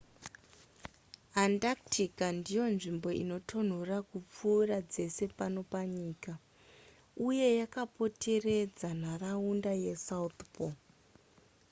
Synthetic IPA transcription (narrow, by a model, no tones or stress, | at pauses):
andaktʰikandijo̞nʐimbo̞ḭno̞tʰo̞n̤orakup͡fuːrad͡ze̞se̞pano̞paɲiːka | uje̞jakapo̞tʰe̞re̞d͡zanaraundaje̞saut̪po